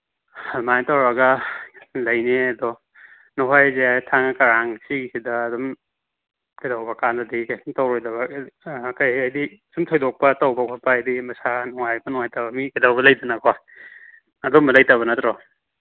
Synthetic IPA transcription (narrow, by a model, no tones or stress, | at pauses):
hamajtawɾaɡɐ | lɐjneɐdɔ | nɔɦajzetʰaŋakaɾaŋsiɡisidɐːdɔm | kidawbɐkandɐdikajsumtawɾɔjdɐβɐkajajdisumtʰɔjdɔk̚pɐtawbɐkʰapaːjdimɐsanɔŋajbɐnɔŋajtabɐmikidawbɐlɐjdanakɔa | ɐdɔmɐlajtaβɐnatɾɔ